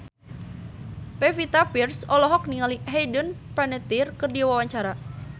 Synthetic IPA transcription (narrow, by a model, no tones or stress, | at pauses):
pɛfit̪apirsɔlɔɦɔk̚niŋaliɦɛjdənpanɛt̪irkɨrdiawawaɲt͡ʃaɾa